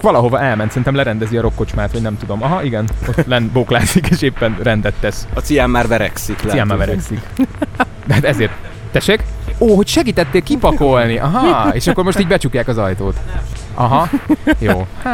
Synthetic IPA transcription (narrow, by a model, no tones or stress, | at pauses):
kʋɒlɒɦo̞vɒʔɛlmɛnt̪sɛɾinɛmlɛɾɛnd̪ɛziɒɾo̞kːo̞t͡ʃmaːt̪ʋɒɟnɛmt̪ud̪omɒɦɒʔiɡɛnot̪lɛnboklaːzikeːʃeːpːɛnrɛnd̪ɛt̪ːɛʃɒt̪sijaːmːaːrvɛɾɛ̰ksiklijaːmːaːrvɛɾɛksik | d̪ɛɦat̪ɛzeːrt̪̚ː | ɛʃekoːɦo̞cʃɛɡiːt̪ɛt̪ːeːkkipɒko̞lniʔɒɦɒeːʃɒkːo̞rmo̞ʃt̪iːɟʲbɛt͡ʃukjaːkɒzɒjt̪oːt̪ʔɒɦɒjoː